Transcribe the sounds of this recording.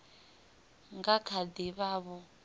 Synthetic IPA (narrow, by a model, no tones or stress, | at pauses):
ŋɡakʰad̪iβaːβɔ